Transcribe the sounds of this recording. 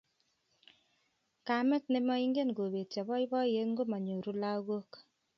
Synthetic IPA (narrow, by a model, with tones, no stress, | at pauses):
ka˨mɛ˦tne˦mɔ˦i˦ŋɡe˦nɡo˨be˨tja˨βɔ˦i˦bɔ˦je˦nŋɡo˦ma˨ɲo˨ɾu˦la˦ɣo˦k